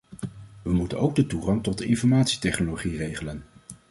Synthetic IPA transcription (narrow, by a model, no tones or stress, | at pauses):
ʋəmutənowɡ̚dətuχɑŋtɔtɪnfɔɹmaːtsi̥tɛχnoloχirejχələn